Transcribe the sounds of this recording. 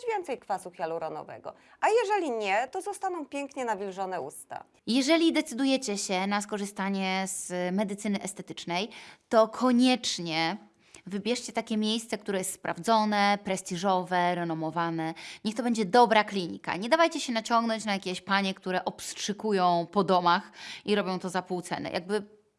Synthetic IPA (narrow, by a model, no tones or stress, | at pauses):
vʲjɛnt̪sɛjkfasuxjaluɾɔnɔ̰vɛ̰ɡɔ̰ | ʔajɛʐɛlʲiɲɛt̪ɔzɔst̪anɔ̃w̃pʲjɛŋkɲɛnavʲilʐɔnɛṵst̪a̰ | jɛʐɛlʲid̪ɛt̪sɘd̪ujɛt͡ɕɛɕɛnaskɔʐɘst̪aɲɛz̥mɛd̪ɘt̪sɘnɘʔɛst̪ɛt̪ɘ̥t͡ʂnɛjt̪ɔkʰɔɲɛt͡ʂɲɛ | vɘbʲjɛʂt͡ɕɛt̪akʲɛmʲjejst̪sɛk̚t̪uɾɛjɛst̪spɾa̰vd̪zɔnɛpɾɛsʲt̪ʲiʐɔvɛɾɛnɔmɔvanɛɲɛxt̪ɔbɛɲd͡ʑɛd̪ɔbɾaklʲiɲḭka̰ɲɛd̪avajt͡ɕɛɕɛnat͡ɕɔŋɡnɔɲt͡ɕnajakʲɛɕpaɲɛkt̪uɾɛʔɔpstʂɘkujɔ̃w̃pɔd̪ɔmaxiɾɔbʲjɔ̃w̃t̪ɔzapuwt̪sɛ̰nɛ̰ja̰ɡ̚bɘ